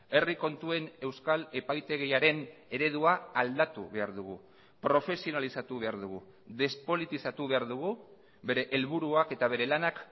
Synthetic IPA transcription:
e̞riko̞nt̪ue̞ne̞wskale̞pajt̪e̞ɣ̞eaɾe̞ne̞ɾe̞ð̞uaald̪at̪ṵβe̞aɾðuɣ̞u | pɾo̞fe̞sio̞nalisat̪uβ̞e̞aɾðuɣṵ | ðe̞spo̞lit̪isat̪uβe̞aɾðuɣ̞u | be̞ɾe̞ʔelβ̞uɾuake̞t̪aβ̞e̞ɾe̞lanak

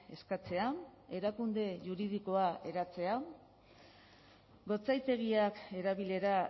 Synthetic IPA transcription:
e̞skat͡se̞ae̞ɾakund̪e̞ʝuɾið̞iko̞ae̞ɾat͡se̞a | ɡo̞t͡sajt̪e̞ɣ̞iake̞ɾaβile̞ɾa

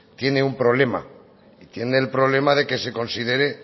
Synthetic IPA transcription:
t̪je̞ne̞umpɾo̞βle̞ma̰ | it̪je̞neːlpɾo̞β̞le̞maðe̞ke̞se̞ko̞nsið̞e̞ɾe̞

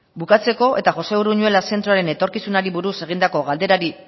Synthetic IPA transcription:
bukat͡se̞ko̞ʔe̞t̪aʝo̞se̞uɾuɲue̞lase̞nt̪ɾoaɾe̞ne̞t̪o̞ɾkisunaɾiβuɾuse̞ɣ̞ind̪ako̞ɣald̪e̞ɾaɾi

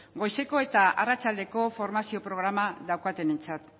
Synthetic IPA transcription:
ɡo̞jse̞ko̞e̞t̪aʔarat͡ʃald̪e̞ko̞fo̞ɾmasio̞pɾo̞ɣɾamaðawkat̪e̞ne̞nt͡sat̪

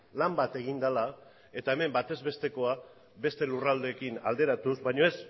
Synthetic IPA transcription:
lambat̪e̞ɣ̞ind̪ala | e̞t̪ae̞me̞mbat̪e̞zβe̞st̪e̞ko̞a | be̞st̪e̞lurald̪e̞kina̰ld̪e̞ɾat̪uzβajɲo̞e̞s

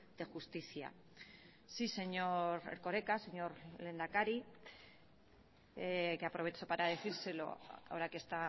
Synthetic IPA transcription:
d̪̥e̞xust̪iθja̰ | sise̞ɲoɾḛɾko̞ɾe̞kase̞ɲo̞ɾle̞nd̪akaɾi | ekeapɾoβe̞t͡ʃo̞paɾaðe̞θiɾse̞lo̞̰aoɾakest̪a

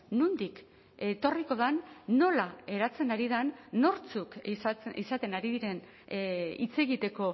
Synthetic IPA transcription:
nund̪ik | e̞t̪o̞riko̞ð̞anːo̞lae̞ɾat͡se̞naɾiðanːo̞ɾt͡sukisat̪e̞naɾiðiɾe̞n | ḭt͡se̞ɣit̪e̞ko̞

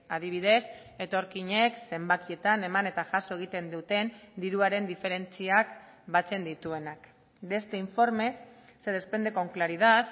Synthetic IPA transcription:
aðiβ̞iðe̞s | e̞t̪o̞ɾkiɲe̞kse̞mbakie̞t̪ane̞mane̞t̪aʝaso̞e̞ɣ̞it̪e̞nd̪ut̪e̞nd̪iɾuaɾe̞nd̪ife̞ɾe̞nt͡siak | bat͡se̞nd̪it̪ue̞nak | be̞st̪e̞iɱfo̞ɾme̞ | se̞ð̞e̞spe̞nd̪e̞ko̞ŋklaɾiðat̪

